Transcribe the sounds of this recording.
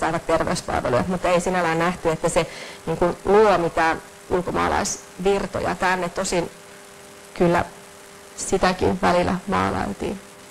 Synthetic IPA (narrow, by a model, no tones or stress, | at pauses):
sɑiʋɑt̪t̪erʋḛyspɑ̰lʋḛlṵjɑmut̪ːeisinælæːnnæht̪yet̪ːæseniːŋkunluːlɑmit̪æːn | ulkomɑ̰ːlɑ̰is | ʋirt̪o̰jɑ̰t̪ænːet̪ːosin | kylːæ̰ | sit̪ækḭnʋælilːæmɑ̰ːlɑ̰lt̪ḭːn